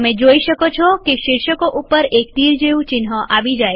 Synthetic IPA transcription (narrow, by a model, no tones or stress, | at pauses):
əmed͡ʒoiʃəkot͡ʃʰɔkeʃɪɾʃəkoʔupːəɾek̚d̪iɾd͡ʒeʋũt͡ʃɪnɦoʔaʋid͡ʒaj